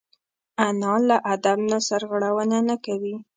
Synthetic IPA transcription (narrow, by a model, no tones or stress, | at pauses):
anɑlaʔad̪abnasaɾɣaɽawənanakawi